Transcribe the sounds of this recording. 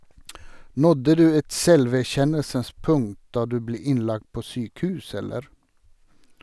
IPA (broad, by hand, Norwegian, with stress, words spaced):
ˈnɔdə ˈdʉː ˈɛt ˈsɛlʋæˌçɛnəlsəns ˈpʊŋt ˈdɑː ˈdʉː ˈbleː ˈɪnˌlɑkt ˈpoː ˈsyːkˌhʉːs ˈɛləɾ